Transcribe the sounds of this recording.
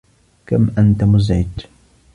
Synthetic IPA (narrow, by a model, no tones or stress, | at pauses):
kamʔant̪amʊzɪt̪